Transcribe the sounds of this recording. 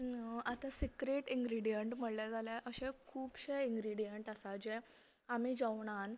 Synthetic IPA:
at̪asikɾeʈĩŋɡɾiɽijeɳʈm̤əɽlad͡zaleʔəɕẽkʰuːpɕeiŋɡɾiɽijeɳʈəsad͡ʑe | amid͡zaʋɳ̃an

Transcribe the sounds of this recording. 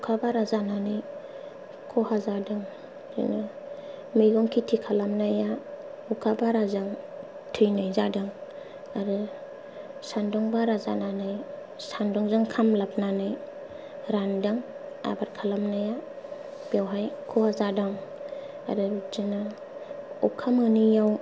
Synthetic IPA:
ukʰabaɾazananɯj | kʰɔhazadaŋ | zɯ̰na | mɯjɡɔŋkʰitʰikʰalamnaja | ukʰabaɾazaŋ | tʰɯjnajzadaŋ | aɾɯ | sandɔŋbaɾaza̰nanaj | sandɔŋzɯŋkʰamlap̚nanɯj | ɾandaŋ | a̰baɾkʰalamnaja | b̥awɦajkʰɔhazadaŋ | a̰ɾɯzɯna | ukʰamɯnijaw

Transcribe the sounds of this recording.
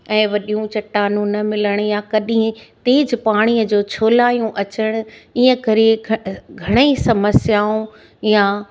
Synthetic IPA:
ɛ̃ːʋɐɗijũt͡ɕɐʈːaːnũnɐmɪləɽ̃jakɐɗɪ̃t̪eːd͡ʑpaːɽ̃iəd͡ʑoːt͡ɕʰoːlaːijũʔɐt͡ɕəɽ̃ʊ̆iːə̃kɐɾeɡʱɐɽ̃əisɐməsjaːũ | ja

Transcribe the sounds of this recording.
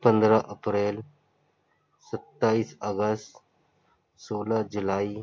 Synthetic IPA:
pə̃nd̪ɾaʔəpɾeːl | sət̪ːaːiːsəɡəst̪ | soːlad͡ʒʊlaːi

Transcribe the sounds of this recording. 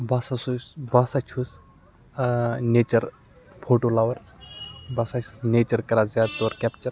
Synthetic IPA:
ʋasasusbasat͡ʃʰus | neːt͡ʃɐɾ | pʰoːʈoːlaʋɐɾ | bɐsat͡ʃʰusneːt͡ʃɐɾkɐɾazaːt̪oɾkʲɛpt͡ʃɐɾ

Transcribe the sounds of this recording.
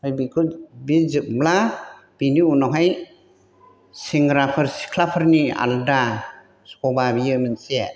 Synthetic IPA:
hajbikʰɯbizɯk̚mla | b̥iniunɔɦaj | siŋɡɾapʰɯɾsi̥kʰlapʰaɾnia̰lda | skɔbabijɯmɯnse

